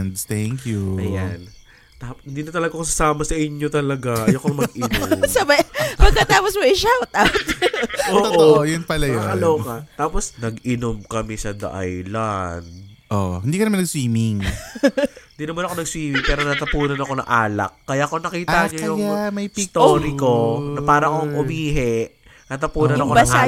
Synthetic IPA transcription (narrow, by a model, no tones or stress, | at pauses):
nd̪t̪ɛŋkjuʔɐjan | t̪aphɪnd̪iːnɐt̪ɐlɐɡaks̬ɐsaːmɐsɐʔɪɲo̞t̪ɐlɐɡajokɐmɐɡ̚ɪnomsɐbɐbɐɡkɐt̪aːposmɐʔɪʃawt̪̚ʔawt̪ʔoːoʔooojʊnpɐlɐjoɐnloːkɐt̪aːposnɐɡɪnomkɐmɛsɐd̪ɐ̰ʔa̰jlan | ʔo̰hɪnd̪ikɐnɐmanɐɡswiːmɪŋ | ɪd̪iːnɐmanɐko̞nɐɡswiːmɪŋpɛːɾo̞nɐt̪ɐpuːnɐnɐko̞nɐ̰ŋʔaːlɐ̰kːɐjaʔkonɐkiːt̪ɐɲoɐjʊjamɐjst̪oooːɾɪko̞nɐpaːɾɐʔkoŋʔʊmiːɦɛ | nɐt̪ɐpuːnɐnɐkoaa